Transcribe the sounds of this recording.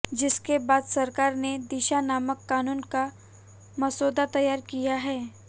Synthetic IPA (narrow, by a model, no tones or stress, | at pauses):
d͡ʒɪskebaːd̪sɐɾkaːɾned̪ɪʃanaːməkːaːnuːnka | mɐsoːd̪at̪ɐjaːɾkijaɦɛː